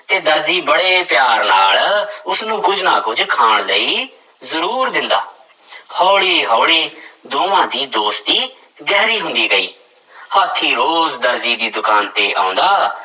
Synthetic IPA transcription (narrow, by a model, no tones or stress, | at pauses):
t̪eːd̪əɾziːbəɽeːpɪjaːɾnaːlʊsnũːkʊd͡ʒna̰ːkʊd͡ʒkʰaːɳləiː | zəɾuːɾd̪ɪnd̪a̰ː | hɔːɽiːɦɔːɽiːd̪oːʋãːd̪iːd̪oːst̪iː | ɡɛːɾiːɦʊnd̪iːɡəḭː | həːt̪ʰːiːɾoːzd̪əɾziːd̪iːd̪ʊkaːnt̪eːʔã̰ːnd̪aː